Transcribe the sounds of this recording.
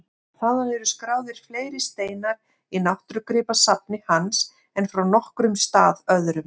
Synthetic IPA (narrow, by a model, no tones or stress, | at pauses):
θaðanɛɾʏskɾaːwðɪɾ̥fleːjɾɪst̪eːjnaɾ | inawht̪ɾʏkɾɪːpasap̚nɪhans | ɛnfɾawnɔhkɾʏmst̪aːðœðɾʏm